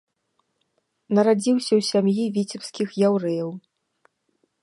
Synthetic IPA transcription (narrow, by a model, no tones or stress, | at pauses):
nɐɾad͡zʲiwsʲɐwsʲamjivʲit͡sʲipskʲixjawɾɛjɐw